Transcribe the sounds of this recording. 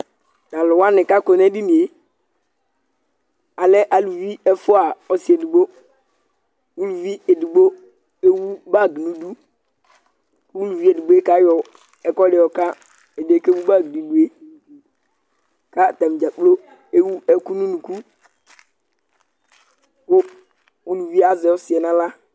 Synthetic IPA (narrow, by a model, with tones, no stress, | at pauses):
nã˨lʊ˨wa˦nɪ̃˨ka˦ko˨nɛ˦bi˦mĩ˨e˨ | a˨lɛ˦ʔa˨lu˨vi˦ɛ˦fʊ˦a˨ɔ˦sɪ˨e˨di˨ɡ͡bo˦ | wu˦lu˨vi˦e˨di˨ɡ͡bo˦ | e˦wu˦ba˦˨ɡi˨nũ˦du˦ | wu˦lu˨vi˦e˨di˨ɡ͡bo˦e˦ka˦jɔ˨ | ɛ˨kɔ˦lɪ˨ɔ˨ka˦ | e˨de˨˦ke˦wu˦ba˦˨ɡi˨nu˨˦lu˨e˦ | ka˦˨ta˨m˨d͡ʒa˨k͡plo˦ | e˦wu˦ɛ˦ku˦nũ˦nũ˨ku˦ | kʊ˦ | u˦lu˨vi˦a˦zɪ˨ɔ˦sɪ˨ɛ˨nã˦la˦